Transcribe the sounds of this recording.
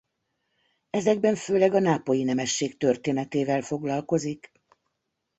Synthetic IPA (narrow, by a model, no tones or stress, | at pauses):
ɛzɛɡ̚bɛɱføːlɛɡɒnaːpo̞jinɛmɛʃːeːkt̪ø̞rt̪eːnɛt̪eːvɛlfo̞ɡlɒlko̞zik